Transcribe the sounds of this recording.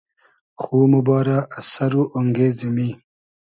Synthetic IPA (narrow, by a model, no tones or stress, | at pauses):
xuːmubɑːɾaːsaɾuʔaŋɡeːzimi